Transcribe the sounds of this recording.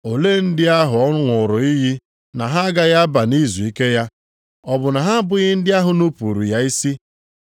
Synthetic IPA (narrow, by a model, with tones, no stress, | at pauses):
o˨le˦n̩˦dɪ˦a˦ɦʊ˨ɔ˦ʊ˦ŋʷʊ˨ɾʊ˨i˦ɦi˦ | na˨ɦa˦a˦ɡa˦ɣa˦ba˨ni˦zu˨i˦ke˦ja˦ | ɔ˦bʊ˨na˨ɦa˦bʊ˦ɣɪ˦n̩˦dɪ˦a˦ɦʊ˨nu˦pu˨ɾṵ˨ja˦i˦si˦